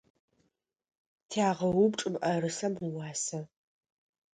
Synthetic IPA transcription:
tʰaːʁɐwʊbʈ͡ʂʼɨmʔɐɾɨsɐmwɑːsɐ

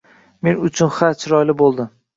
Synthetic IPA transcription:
me̞nʊt͡ʃʰʊnχat͡ʃʰɾɒjlɪbolˠd̪ɪm

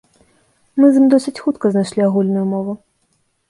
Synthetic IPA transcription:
mɨzɨmd̪ɔsʲɨt͡sʲxut̪kɐznajʂlʲiaɣulʲnujumɔvu

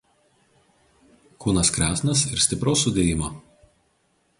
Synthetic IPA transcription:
kuːnɐskɾʲæːsʲnɐsɪɾsʲt̪ʲɪpɾoːsːʊd̪ʲeːjɪmoː

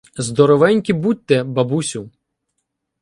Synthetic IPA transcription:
zd̪ɔɾɔʋɛnʲkʲibut̪̚ʲːɛbɐbusʲʊ

